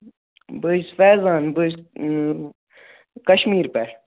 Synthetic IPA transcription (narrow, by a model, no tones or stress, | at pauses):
bɨsfɛːzaːnbɨs | kɐʃmiːɾpɛ